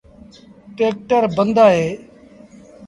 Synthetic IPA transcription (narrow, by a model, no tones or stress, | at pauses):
ʈeːk̚ʈəɾbənd̪aːɦeː